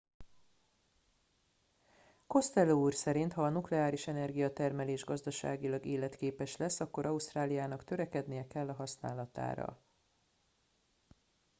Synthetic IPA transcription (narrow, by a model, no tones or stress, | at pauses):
ko̞st̪ɛlːouːrsɛɾint̪hɒːnuklɛaːɾiʃɛnɛrɡijɒt̪ɛrmɛleːʒɡɒzd̪ɒʃa̰ːɡilɒɡeːlɛt̪keːpɛʃlɛsːɒkːo̞ɾʔɒust̪raːlijaːnɒkt̪ø̞ɾɛkɛd̪nijɛkɛlːɒɦɒsna̰ːlɒt̪a̰ːɾɒ̰